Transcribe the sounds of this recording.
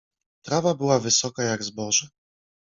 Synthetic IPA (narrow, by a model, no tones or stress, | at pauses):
t̪ɾavabɘwavɘsɔkajaɡzbɔʐɛ